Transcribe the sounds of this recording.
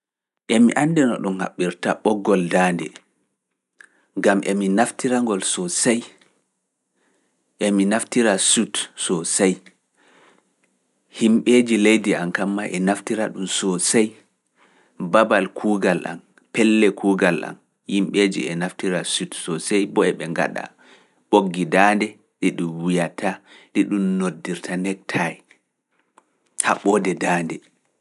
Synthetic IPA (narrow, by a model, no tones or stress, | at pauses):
ʔɛmiʔandinɔɗumha̰ɓːiɾtaɓɔɡːɔldaːndɛ̰ | ŋɡamʔɛminaftiɾaŋɡɔlsɔsaj | ʔɛminaftiɾasutsɔsaj | himɓed͡ʒilejdiankamːaʔɛnaftiɾaɗumsɔsaj | babalkʰuːɡalʔa̰m | pɛlːɛkʰuːɡalʔa̰m | himɓed͡ʒḭɛnaftiɾasutsɔsajbɔɛɓɛŋɡa̰ɗa̰ | ɓoɡːidaːndɛ | ɗiɗumwijatʰaɗiɗumnodːiɾtʰanɛk̚tʰajɛ | haɓɔdɛdaːndɛ